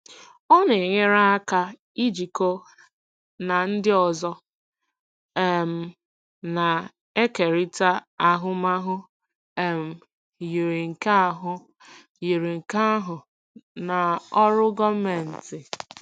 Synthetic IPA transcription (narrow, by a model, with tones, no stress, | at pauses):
ɔ˦ne˨e˨ɲe˦ɾa˦a˦ka˦ | i˦d͡ʒi˨ko˦ | na˨n̩˦dɪ˦ɔ˨zɔ˦ | e˦m̩˨ | na˨ | e˦ke˨ɾi˦ta˦a˨ɦʊ˦ma˦ɦʊ˦ | e˦m̩˨ | ji˨ɾi˨ŋ̩˨ka˦a˨ɦʊ˦ | ji˨ɾi˨ŋ̩˨ka˦a˦ɦʊ˨ | na˨ɔ˦ɾʊ˦ɡɔ˦me˨n̩˨tɪ˨